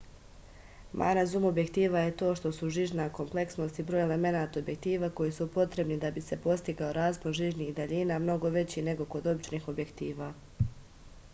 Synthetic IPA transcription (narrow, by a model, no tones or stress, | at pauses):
mʔa̰nazumo̞bje̞kt̪iːʋaje̞t̪o̞ːʃt̪o̞suʒiːʒnako̞mple̞ksno̞ːst̪ibɾoːjele̞me̞naːt̪aobjekt̪iːʋaːko̞jisupo̞t̪ɾe̞bnid̪abise̞po̞st̪iɡaoɾaːzpoɾʒiːʒniːxd̪aʎiːnaːmno̞ɡo̞ʋe̞t͡ɕine̞ɡo̞ko̞d̪o̞bit͡ʃniːxo̞bje̞kt̪iːʋaː